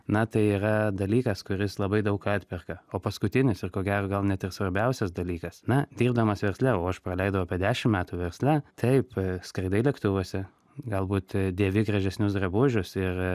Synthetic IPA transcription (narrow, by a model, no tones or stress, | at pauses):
nɐt̪ɐɪiːɾɐd̪ɐlʲiːkɐskʊɾʲɪslˠɐbɐɪd̪ɐʊkɑt̪ʲpʲɪrkɐoːpɐskʊt̪ʲɪnʲɪsɪrkoːɡʲæːɾoːɡɐlˠnʲɛt̪ɪrsʋɐɾʲbʲɛʊsʲɛsd̪ɐlʲiːkɐsnɐd̪ʲiːrbd̪ɐmɐsʋʲɛrʲsʲlʲæoːɐʃprɐlʲɛɪd̪ɐʋoʊɐpʲiɛd̪ʲæːʃʲɪmmʲæːt̪uːʋʲɛrʲsʲlʲæt̪ʰɐɪpskɾɐɪd̪ɐɪlʲɛkt̪ʊʋoːsʲɛ | ɡɐlˠbuːt̪d̪ʲeːʋʲɪɡrɐʒʲɛsʲnʲʊsɡrɐbʊʒʲʊsɪr